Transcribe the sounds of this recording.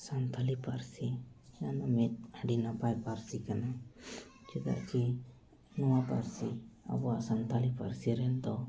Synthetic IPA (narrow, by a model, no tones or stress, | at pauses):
sant̪ʰalipaɾsijanamɛt̪̚əɖinapajpaɾsikana | d͡ʒɛt̪a̰ʔki | nɔwapa̰ɾsia̰bɔaʔsant̪ʰalipaɾsiɾɛnd̪ɔ